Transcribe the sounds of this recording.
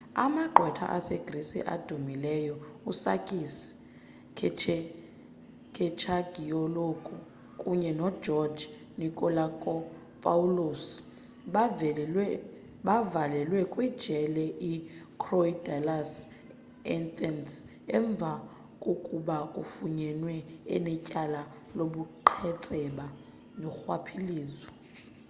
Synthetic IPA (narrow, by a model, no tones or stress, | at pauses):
a̰maǃʱwɛtʰa̰ʔasɛɡ̥risḭʔa̰d̥ʱumilɛjɔusa̰kʼis | kʰɛt͡ʃʰɛ | kʰɛt͡ʃʰaɡ̥ʱiɔlokʼu | kʼuɲɛnɔd̥ʒɔd͡ʒ | nikʼɔlakʼɔ | pʼaulos | ɓavalɛlwɛkʼwid̥ʒ̥ʱɛlɛʔikʰroidalas | ɛntʼɛns | ɛɱb̪vʱa | kʼokʼuɓakʼufuɲɛnwɛɛ̰nɛcʼala | loɓuǃʰɛt͡sʼɛɓa | nɔxwapʰiliːzɔ